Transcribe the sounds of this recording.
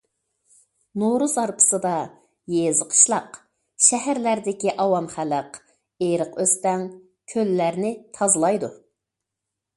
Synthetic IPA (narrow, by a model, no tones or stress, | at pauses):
noɾuzɑɾpʰə̥sɨd̪ɑ | jezəqʰə̥ʃlˠɑq | ʃɛɦæɾlæɾd̪ɪkʲiʔɑwɑmχæləq | eɾəqøst̪ɛŋ | kʲʰølːæɾnɪt̪ʰɑzɨlˠɑjd̪u